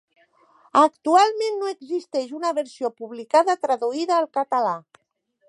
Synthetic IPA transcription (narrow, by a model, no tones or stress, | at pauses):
əkt̪ualˠmenːoeəɡzist̪ɛʃunəβəɾsiopuβlikaðət̪ɾəðuiðəːlˠkət̪ala